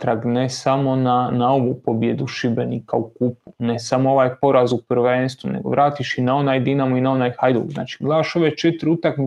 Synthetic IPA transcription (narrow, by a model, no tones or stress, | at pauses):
t̪ɾaɡnesamo̞nanaoʋupobjed̪uʃibenikaukupune̞samoo̞ʋaːjpo̞ɾazupr̩ʋeːnst̪ʋunḛɡo̞̰ʋɾʔaːt̪iʃinao̞naːjd̪inamuinao̞najxajd̪ṵɡzna̰ːt͡ʃi̥ɡlˠaaʃo̞ʋet͡ʃet̪ɾiut̪akmi